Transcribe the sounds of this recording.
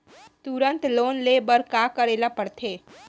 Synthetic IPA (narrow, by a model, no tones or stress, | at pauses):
t̪uɾənt̪lonlebəɾkakəɾelapəɾt̪ʰe